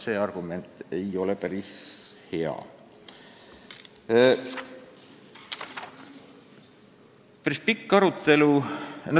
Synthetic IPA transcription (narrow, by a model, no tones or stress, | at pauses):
se̞ːɑrɡ̥ume̞nt̪ˑe̞jo̞lepæɾishe̞ɑ̰ | pæɾispikːɑɾut̪ːˑe̞luno